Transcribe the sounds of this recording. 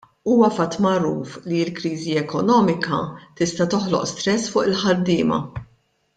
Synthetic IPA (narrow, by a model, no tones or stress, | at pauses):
uːwɐfɐt̪ːmɐɾuːfliɪlkɾiːziɛkɔnɔːmɪkɐ̰t̪ɪst̪ɐt̪ɔħlɔ̰ʔst̪ɾɛsːfʊːʔɪlħɐd̪ːɪːmɐ̰